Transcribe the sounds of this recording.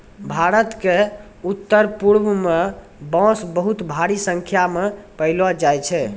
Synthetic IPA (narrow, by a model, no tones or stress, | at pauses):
bʱaɾət̪ke | ut̪ːəɾpuɽmme | bɔ̃sbəɦut̪bʱaɾisə̃ŋkʰjamepəɪlɔd͡ʒajt͡ʃʰɛ